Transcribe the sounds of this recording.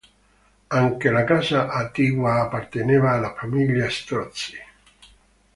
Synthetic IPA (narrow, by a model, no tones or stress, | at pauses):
aŋkelakaːzaʔat̪ːiːvwaːpːart̪eneːvaːlːafamiʎːjast̪ɾɔt̪si̥